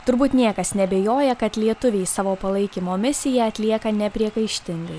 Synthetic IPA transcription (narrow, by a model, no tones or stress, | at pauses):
t̪ʊɾbuːt̪nʲiɛkɐsnʲɛbʲɛjoːjɛkɐt̪lʲiɛt̪ʊʋʲeɪsɑːʋoːpɐlˠɐɪkʲɪmoːmʲɪsʲɪjɛɐt̪ʲlʲiɛkɐnʲɛpʲɾʲiɛkɐɪʃʲt̪ʲɪŋɡɐɪ